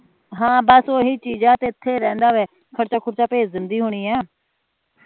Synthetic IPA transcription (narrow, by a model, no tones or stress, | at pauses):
ɦãːbəsoːɦiːt͡ʃiːd͡ʒãːt̪eːɪt̪ʰːeːɾɛ̃ːnd̪aːʋeː | kʰəɽt͡ʃaːkʰʊɾt͡ʃaːpeːd͡ʒzɪnd̪iːɦʊɽ̃iːɛː